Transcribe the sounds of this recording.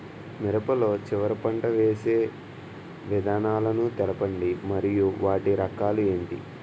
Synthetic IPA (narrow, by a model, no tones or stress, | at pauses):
miɾɐpɐlo̞ːt͡ʃiʋɐɾɐpɐɳʈɐʋeːseː | ʋid̪ʱaːnaːlɐnut̪ɛlɐpɐɳɖimɐɾijuʋaːʈiɾɐkaːlue̞ːɳʈḭ